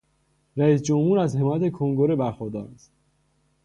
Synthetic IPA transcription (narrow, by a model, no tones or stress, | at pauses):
ɾæiːsd͡ʒomhuːɾæzhe̞mɒːjæt̪ʰekʰoŋɡoɾebæɾxoɾd̪ɒ̰ːɾæst̪